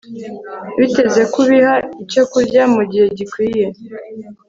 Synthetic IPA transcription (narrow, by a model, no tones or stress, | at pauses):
βite̞ze̞kuβihaico̞kuɾɟamuɟihe̞ɟikwiːje̞